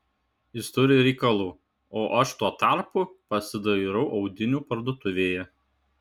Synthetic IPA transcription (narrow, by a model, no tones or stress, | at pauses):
jɪst̪ʊɾʲɪɾʲɛɪkɐlˠuː | oːʔɐʃt̪uɔt̪ɑˑɾpupɐsʲɪd̪ɐɾɐʊʔɒʊd̪ʲɪnʲuːpɐɾd̪oɔt̪ʊʋʲeːjɛ